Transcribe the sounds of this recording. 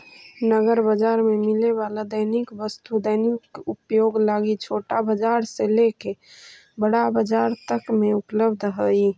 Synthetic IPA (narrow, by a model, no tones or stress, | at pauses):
nəɡəɾbəd͡ʒaɾmemileβalad̪əɪnikbəst̪ud̪əjnikupjoɡlaɡit͡ʃʰoːʈabəd͡ʒaɾseleke | bəɽabəd͡ʒaɾt̪əkmeupləbd̪ʱɦəi